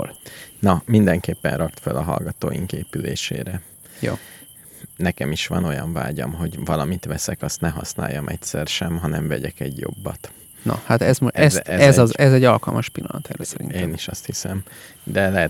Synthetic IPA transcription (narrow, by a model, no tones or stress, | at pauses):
lnɒmind̪ɛŋkeːpːɛnrɒkt̪følɒɦɒ̰lɡɒt̪oːjiŋkeːpyleːʃeːɾɛ | jo̰ː | nɛkɛmiʃʋɒno̞jɒɱvaːɟɒmɦo̞ɟvɒlɒmit̪ʋɛsɛkɒst̪nɛɦɒsna̰ːjːɒmʔɛcsɛrʃɛmɦɒnɛɱvɛɟɛkɛɟjo̞̰bːɒt̪ | nɒ̰hat̪ɛzmoʔɛsɛzzɛzɛɟːɒlkɒlmʔɒʃpilːɒ̰nɒt̪ʰɛɾɛsɛɾḭneːniʃɒst̪hisɛm | d̪ɛlɛɦɛ